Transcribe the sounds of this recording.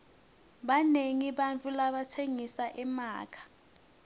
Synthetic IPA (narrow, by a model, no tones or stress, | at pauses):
ɓaneŋiɓant͡fʰʼulaɓatʰeŋisaʔɛma̰ːkʰḁ